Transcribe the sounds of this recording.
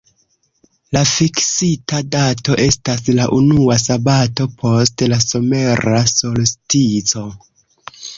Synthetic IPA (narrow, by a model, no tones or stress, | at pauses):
lafiksitadato̞ʔe̞staslaʔunuasabato̞pʰo̞stlaso̞me̞ɾasolstit͡so̞